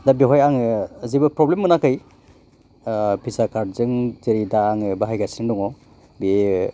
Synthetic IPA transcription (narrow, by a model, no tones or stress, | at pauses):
dabiɦɔjaŋɯːzibɯpɾɔblemːɯnakʰɯj | pʰizakʰaɾ̚zɯŋzeɾidaːŋɯbaɦajɡasindɔŋɔ | bie